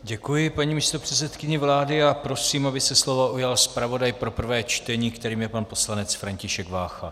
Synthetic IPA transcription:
ɟɛkujɪpaɲiːmiːst̪o̞pr̥ɛt͡sɛt̪kɪɲɛvlaːdɪapɾo̞siːmabɪsɛslo̞voujalspɾavo̞dajpɾo̞pr̩vɛːt͡ʃt̪ɛɲiːkt̪ɛɾiːmjɛpanpo̞slanɛt͡sfɾaɲcɪʃɛɡvaːxa

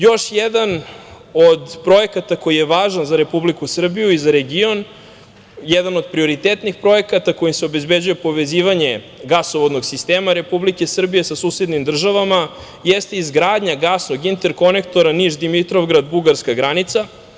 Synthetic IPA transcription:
jo̞ʃjed̪an | o̞d̪pɾo̞ekat̪ako̞jijeʋaːʒanzaɾe̞publikusr̩bijuizaɾeɡio̞n | jɛd̪ano̞d̪pɾio̞ɾit̪eːt̪nixpɾo̞e̞kat̪ako̞jimseo̞be̞zbed͡ʑuje̞po̞ʋe̞ziːʋaɲe̞ | ɡasoʋod̪no̞ɡsist̪eːmaɾe̞publike̞sr̩bije̞sasuːsed̪nimd̪r̩ʒaʋama | jest̪eizɡɾaːd̪ɲaɡasno̞ɡint̪e̞ɾko̞ne̞kt̪oɾaniʒd̪imit̪ɾo̞vɡɾad̪buɡaɾskaɡɾanit̪sa

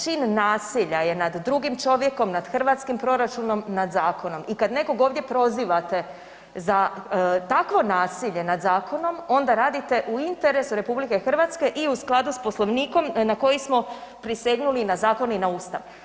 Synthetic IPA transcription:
t͡ʃiːnːaːsiʎaje̞nad̪ːɾuɡimt͡ʃo̞ʋje̞ko̞mnad̪xr̩ʋat̪skimpɾo̞ɾat͡ʃuno̞mnad̪zaːko̞no̞mikad̪ne̞ko̞ɡoːʋd̪je̞pɾo̞ziʋat̪e̞ | zat̪akʋo̞naːsiʎe̞nad̪zaːkʰo̞no̞mo̞nd̪aɾaːd̪it̪e̞ʔuint̪e̞ɾesuɾe̞publike̞xr̩ʋat̪ske̞ʔiusklˠad̪uspo̞slˠo̞ʋniːko̞mnako̞jismo̞pɾiseɡnulinazaːko̞ninaust̪a̰ʋ

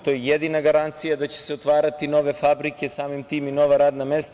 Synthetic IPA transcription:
t̪oɛjɛd̪inaɡaɾant̪sijad̪acɛ̥sɛot̪vaɾat̪inovɛfabɾikʲɛsamimt̪iminovaɾad̪namɛst̪

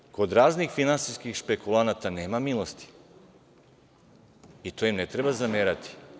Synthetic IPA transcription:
kod̪ɾaznixfinansiskixʃpekulˠanat̪anemamilˠost̪i̥ | it̪oimnet̪ɾebazameɾat̪ʰi̥

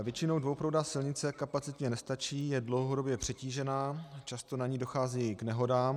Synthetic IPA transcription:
vjɛt͡ʃɪnowdvowpɾowdasɪlɲɪt͡sɛkapat͡sɪt̪ɲɛnɛst̪at͡ʃiːjɛdlo̞wɦodo̞bjɛpr̝̥ɛciːʒɛnaːt͡ʃast̪o̞naɲiːdo̞xaːziːknɛɦo̞daːm

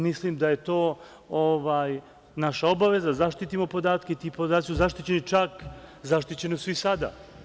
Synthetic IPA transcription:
mislimd̪aje̞t̪o̞ː | oʋaːj | naʃao̞baʋe̞zazaʃt̪it̪imo̞po̞d̪aːt̪keit̪ipod̪aːt̪isuzaʃt̪it͡ɕe̞nit͡ʃakzaʃt̪it͡ɕe̞nosʋisad̪a̰

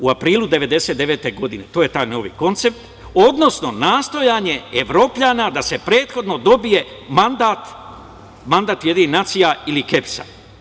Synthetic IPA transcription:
uapɾiːlˠud̪e̞ʋe̞d̪e̞set̪eʋe̞ːt̪e̞ɡo̞d̪ine̞t̪oːje̞t̪aːjno̞ːʋḭːko̞nt̪se̞p̚t̪ | o̞d̪no̞sno̞naːst̪o̞jaːɲe̞eʋɾo̞ːplʎanad̪ase̞pɾe̞ːt̪xo̞d̪no̞d̪o̞bije̞mand̪at̪ | mand̪at̪jed̪ininat̪sijailike̞psa̰

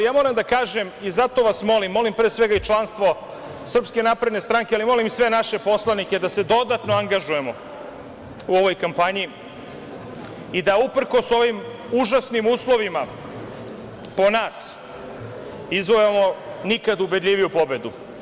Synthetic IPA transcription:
jaːmo̞ɾamd̪akaːʒe̞mizat̪o̞ʋasmo̞limːo̞limpɾeːsʋe̞ɡait͡ʃlˠanst̪ʋo̞ | sr̩pske̞napɾed̪nest̪ɾaŋkʲealimo̞limsʋe̞naʃe̞po̞slˠanike̞d̪ase̞d̪o̞d̪at̪noaŋɡaʒuje̞mo̞ | uo̞ʋo̞jkampaɲi | id̪aupr̩ko̞so̞ʋim | uʒasnimuːslˠo̞ʋima | po̞naːs | izʋojemo̞nikad̪ubed̪ʎʲiʋijupo̞be̞d̪u

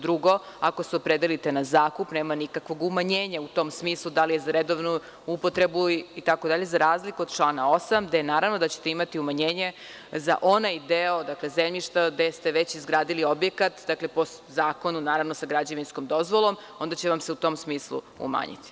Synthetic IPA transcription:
d̪ɾuɡo̞ako̞seopɾed̪elit̪e̞nazaːkupne̞ːmanikakʋo̞ɡumaɲeːɲaut̪o̞msmiːslˠud̪alije̞zaɾed̪o̞ʋnu | upo̞t̪ɾe̞buit̪ako̞d̪aʎe̞zaɾaːzlikuod̪t͡ʃlˠaːnao̞samd̪ejenaːɾaʋnod̪at͡ɕe̥t̪e̞imat̪iumaɲeːɲe̞ | za̰ʔo̞najd̪eod̪aklezemʎiʃt̪ad̪est̪e̞ʋet͡ɕizɡɾaːd̪iliobje̞kat̪d̪akle̞po̞ | zaːko̞nunaːɾaʋnosaɡɾad͡ʑeʋinskomd̪o̞zʋo̞lˠo̞m | o̞nd̪at͡ɕeʋamseut̪o̞msmiːslˠṵ | ṵma̰ːɲḭt̪i̥

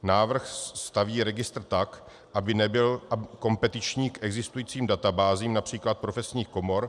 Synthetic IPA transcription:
naːvr̩xst̪aviːɾɛɡɪst̪r̩t̪ak | ʔabɪnɛbɪlʔako̞mpɛt̪ɪt͡ʃɲiːkʔɛɡzɪst̪ujiːt͡siːmdat̪abaːziːmnapr̝̥iːklat̪̚pɾo̞fɛsɲiːxko̞mo̞ɾ

